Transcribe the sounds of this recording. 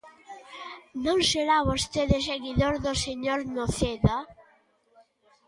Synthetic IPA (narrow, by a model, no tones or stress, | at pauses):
nõŋseɾaβost̪eðes̬eɣiðoɾðoseɲoɾnoθeða